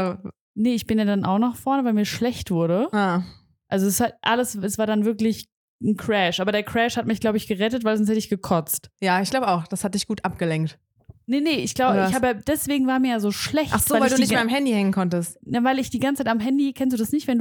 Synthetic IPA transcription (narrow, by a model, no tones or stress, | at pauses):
nəɪçb̥ɪnjaːdanʔa̰ʊxnɔχfɔɐnəvaɪlmiːɐʃlɛçtv̥ʊɐɾəa | ʔalzoɛsatʔaləsɛsv̥aːɐdanvɪɐklɪç | n̩kʁ̥ɛʃʔaːbɐɾeːɐkʁ̥ɛʃhatmɪçɡ̥laʊbəɪçɡ̥əʁɛtətv̥aɪlzɔnshɛtəɪçɡ̥əkʰɔt͡stjaːɪçɡ̥laʊbəaʊxd̥ashat̚d̥ɪçɡ̥uːtʔap̚ɡ̥əlɛŋk̚t | nənəʔɪçɡ̥laʊbəɪhaːbəjad̥ɛsv̥eːɡŋ̩vaːɐmiːɐjaːzoːʃlɛçtʔaχz̥oːaɪvalduniɪçtmeɐamhɛndihɛŋənkʰɔntəstnəvaɪlɪçd̥iːɡant͡sət͡saɪtamɦɛndikʰɛns̬td̥uːdasnɪçtv̥ɛndu